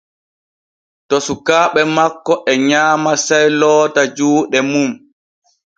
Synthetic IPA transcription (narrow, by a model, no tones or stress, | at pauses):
tɔsukaːɓɛmakːɔʔɛɲaːmasajlɔːtad͡ʒuːɗɛmum